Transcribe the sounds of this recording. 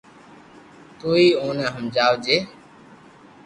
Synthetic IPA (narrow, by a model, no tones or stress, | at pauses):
t̪uːiːoːnəːɦəmd͡ʒaːʋd͡ʒeː